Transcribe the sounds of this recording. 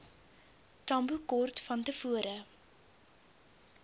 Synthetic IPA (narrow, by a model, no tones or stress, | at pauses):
tɐmbukɔrtfɐntəfuəɾə